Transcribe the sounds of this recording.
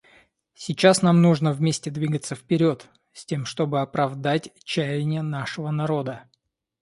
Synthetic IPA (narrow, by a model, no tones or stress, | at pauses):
sʲɪt͡ɕasnamnuʐnəvmʲesʲtʲɪd̪vʲiɡət̪səfpʲɪɾʲo̞t̪ | sʲtʲe̞mʂt̪o̞bɨɐpɾɐvd̪atʲt͡ɕːæjɪnʲɪjənaʂɨvənɐɾo̞d̪ə